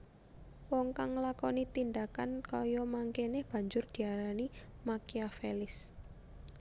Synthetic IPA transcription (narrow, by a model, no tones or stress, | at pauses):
wɔŋkaŋlakɔnit̪ind̪akankɔjɔmaŋkenɛhb̥a̤ɲd͡ʒʊrd̪̥i̤aɾanimakiafelɪs